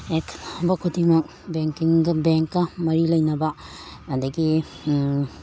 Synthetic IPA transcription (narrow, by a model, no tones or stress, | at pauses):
ekʰbɐkʰudimɐk̚ | beŋkiŋɡɐbeŋkːɐmɐɾilɐjnɐbɐ | d̪ɐɡi